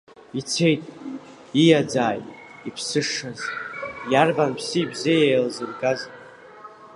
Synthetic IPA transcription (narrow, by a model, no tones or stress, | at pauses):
it͡sʰe̞jtʼ | ijad͡zaːjʼ | ipʰsɨʂazjarbanpʰsiːbzejejlzɨrɡaz